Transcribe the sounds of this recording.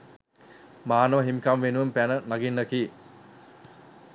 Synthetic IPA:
maːnoʋɦimkamʋenuʋəmpænənaɡinːəkiː

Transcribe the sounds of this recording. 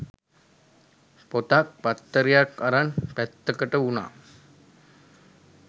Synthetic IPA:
pot̪ak̚pat̪ːəɾijakaɾanpæt̪ːəkəʈəuna̰

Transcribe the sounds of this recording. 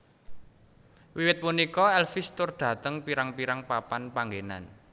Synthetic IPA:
wiwɪt̪̚punikɔɛlfɪst̪ʊrd̥ä̤t̪əŋpiɾaŋpiɾaŋpapanpaŋɡena̰n

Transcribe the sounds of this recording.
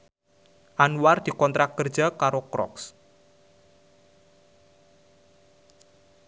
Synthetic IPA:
ʔanward̪̥i̤kɔnt̪ɾakkːərd̥d͡ʒakaɾokɾɔ̰ks

